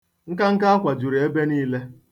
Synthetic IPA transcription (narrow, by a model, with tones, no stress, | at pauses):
ŋ̩˦ka˦ŋ̩˦ka˦a˦kʷa˨d͡ʒu˨ɾe˨e˦be˦niː˦le˦